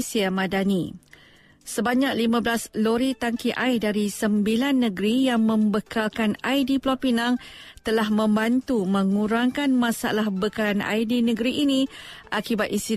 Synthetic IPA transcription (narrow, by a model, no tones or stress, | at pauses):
siamadani | səbaɲak̚limãblasloɾit̪aŋkiʔajdaɾisəmbilanːə̃ɡɾijaŋmə̃mbəkʰalkanajdiplapinãŋt̪əlahmə̃mbant̪umə̃ŋũɾaŋkanmãsa̰lahbəkalanʔa̰jdinə̃ɡɾiʔːnĩʔakibat̪inst̪i